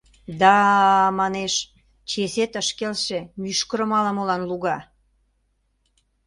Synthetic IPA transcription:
d̪ɑmɑneʃ | t͡ɕeset̪əʃkelʃemyʃkəɾə̆mɑləmolɑnluɣɑ

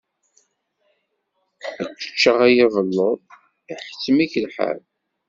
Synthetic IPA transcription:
ækːə̥t͡ʃːəʁæjiðˤəlːoðˤ | iħə̥t͡sːəmiçlħa̰l

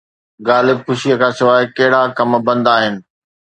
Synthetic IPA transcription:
ɡaːlɪb̚xʊʃijəkʰãːsɪʋaːɪkɐɦɪɽakɐmbɐ̃nd̪aːɦɪnɪ̆

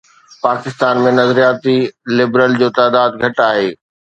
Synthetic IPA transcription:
paːkɪst̪aːnmẽnɐzɾijaːt̪ilɪbɾəld͡ʑoːt̪aːd̪aːd̪ɡʱɐʈaːɦeː

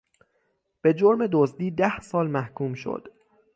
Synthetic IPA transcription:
b̥e̞d͡ʒoɾme̞d̪ozd̪iːd̪æhsɒːlmæhkʰuːmʃo̰d̪̥

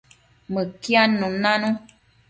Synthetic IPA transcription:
mɨkjanũnãnũ

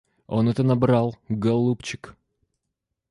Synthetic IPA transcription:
o̞nɛt̪ənɐbɾalˠɡɐlˠupt͡ɕɪ̥k

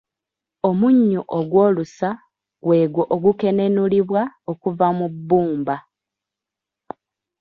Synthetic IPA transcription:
o̞muɲːuʔoɡwo̞ːlusa | ɡwe̞ːɡwoʔoɡuke̞ne̞nuliβwaokuvamubːuːmba

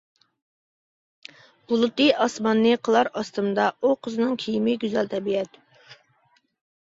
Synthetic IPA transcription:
b̥ulˠɨt̪ɨʔɑsmɑnːɨqʰəlˠɑɾɑst̪ɨmd̪ɑʔuqʰəzɨnɨŋkʲʰijimɪɡʲyzɛlt̪ʰɛbiɛt̪

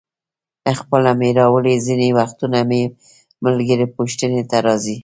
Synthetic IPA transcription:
əxpəlameɾɑwəlezinewaxt̪uname | malɡəɾepoʃt̪ənet̪aɾɑzi

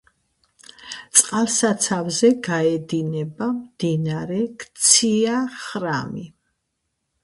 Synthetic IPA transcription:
t̪sʼqʼalˠsat̪sʰavzɛɡaɛd̪inɛbamd̪inaɾɛkt̪sʰiaχɾami

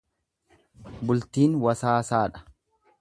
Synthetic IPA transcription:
bʊlt̪iːnwɐsaːsaːᶑɐ̥

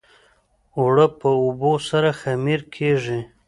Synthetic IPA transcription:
wɽəpəubosaɾaxamiɾkʰeʐi

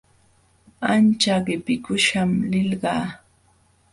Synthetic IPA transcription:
ant͡ʃaɢɪpɪkʊʃamlɪlɢɑː

